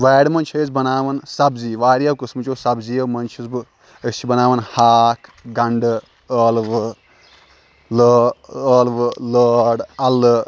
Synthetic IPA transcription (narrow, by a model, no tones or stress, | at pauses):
ʋeːɽmɐnt͡ʃʰɐzbɐnaːʋɐnsɐbziːʋaːɾijɐwkɨsmɨt͡ʃosɐbzijɐwmɐnt͡ʃʰizbɨ | et͡ʃʰibɐnaːʋɐnhaːkʰɡɐɳɖɨ | əːlʋɨ | ləəːlʋɨləːɽɐlɨ